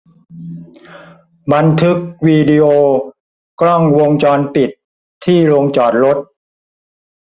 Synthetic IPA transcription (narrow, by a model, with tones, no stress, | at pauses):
ba˧nt̪ʰɯ˦˥k̚wiː˧di˧ʔoː˧ | klɔ˥˩ŋwo˧ŋt͡ɕɔː˧npi˨˩t̪ʰː | iː˥˩ɾo˧ŋt͡ɕɔː˨˩t̪̚ɾo˦˥t̪̚